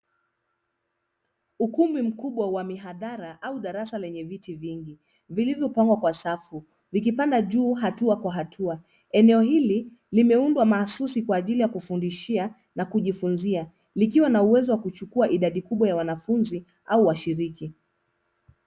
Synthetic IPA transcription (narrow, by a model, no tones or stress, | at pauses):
ukumim̩kuɓwawamiɦaðaɾaʔauɗaɾasalɛɲɛvitiviŋɡi | vilivjɔpaŋɡwakwasafu | vik̬ipandaʄuːɦatuakwaɦatʰua | ɛnɛɔhili | limɛundwamaːsusikwaːʄilijakufundiʃia | nakuʄifunzia | likiwanauwɛzɔwakut͡ʃukuaʔiɗaɗikuɓwajawanafunzi | auwaʃiɾiki